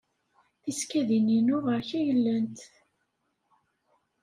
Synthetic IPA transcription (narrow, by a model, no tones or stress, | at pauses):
θiskæðininʊʁəɾçæjəlːənt̪